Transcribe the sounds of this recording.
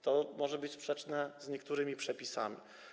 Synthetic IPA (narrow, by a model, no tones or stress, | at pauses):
t̪ɔmɔʐɛbɘt͡ɕspʂɛt͡ʂnɛzɲɛkt̪uɾɘmʲipʂɛpʲisa̰mʲḭ